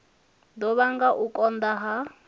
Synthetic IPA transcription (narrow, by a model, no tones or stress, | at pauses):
dɔβaŋɡaʔukʼɔnd̪aɦa